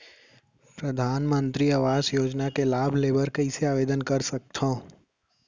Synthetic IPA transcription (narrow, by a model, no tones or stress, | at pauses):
pɾɐd̪ʱaːnmə̃nt̪ɾiaʋaːzjoːd͡ʒnakelaːbʱleːbəɾkɐiseaːʋeːd̪ənkɐɾsɐk̚t̪ɦõː